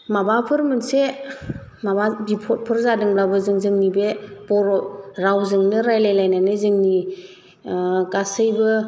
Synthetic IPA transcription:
mabapʰɯɾmɯnse | mababipʰɔt̚pʰɯɾzadɯŋblabɯzɯŋzɯŋnibeb̥ɔɾɔɾawzɯŋnɯɾajlajlajnanɯzɯŋni | ɡasɯjbɯ

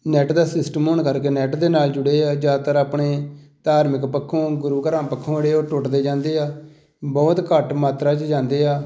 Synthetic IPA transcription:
nɛːʈd̪aːsɪsʈəmoːɳkəɾkeːnɛːʈd̪eːnaːld͡ʒʊɽeːaːd͡ʒaːt̪əɾaːpɳeːt̪aːɾməkpəkʰːõːɡʊɾuːkəɾãːpəkʰːõːeɽeːoːʈʊʈd̪eːd͡ʒãːnd̪eːaː | bɔːt̪kəʈmaːt̪ɾaːt͡ʃd͡ʒãːnd̪eːaː

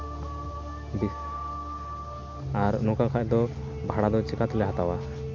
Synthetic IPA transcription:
bis | aɾnɔkakʰaʔd̪ɔ | bʱaɽad̪ɔt͡ʃɛkat̪lɛɦat̪awa

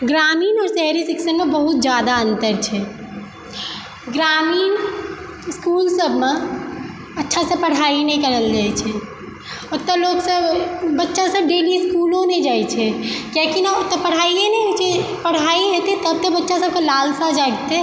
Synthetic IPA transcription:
ɡɾamiːnɔːɾsɛɦɾisiksənmebəɦut̪̚d͡ʒjad̪aənt̪əɾt͡ʃʰɛ | ɡɾamiːn | skulsəbʱme | ətːʃʰasẽpəɽ̤ainɛikəɾəld͡ʒat͡ʃʰɛ | ɔɾt̪əloksəbbətːʃasəb̚ɖeliskulõned͡ʒajt͡ʃʰɛkekinat̪ɔpəɽ̤aienɛjt͡ʃepəɽ̤aiɦet̪et̪əb̚t̪əbətːʃasəb̚kelalsad͡ʒaɡt̪e

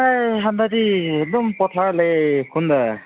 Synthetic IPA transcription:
ajɦandadiedɔmpɔtʰaɹlakʰunda

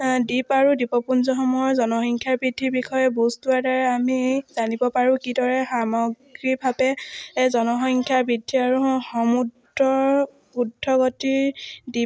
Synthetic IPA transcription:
dipaɹudipɔpunzɔxɔmɔjɔɹzɔnɔxɔŋkʰjaɹbɹidʱːiɹbikʰɔjɛboztuaɹdaɹɛamizanibɔpaɹũkidɔɹɛxamɔɡɹibʱabɛzɔnɔxɔŋkʰjaɹbɹidʱːiaɹuɦxɔmud | ɹɔɹ | pudʱːɔɡɔtidi

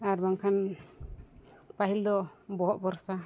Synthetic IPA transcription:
aɾbaŋkʰan | paɦild̪ɔbɔɦɔʔbɔɾsa

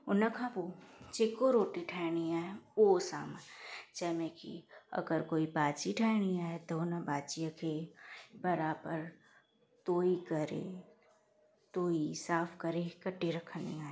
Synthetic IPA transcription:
ʊnakʰãːpot͡ʃeːkoɾoːʈiʈʰɛːɽ̃iaːɦoːsa̰ːmd͡ʒɛːmẽkḭɐ̰ɡəɾkoːibaːt͡ʃiʈʰɛːɽ̃iaːɦɛt̪onabaːt͡ʃijakʰebɐɾaːbəɾ | t̪oːikɐɾḛ | t̪oːisaːpʰkəɾekɐʈːiɾɐkʰnḭaːɦe

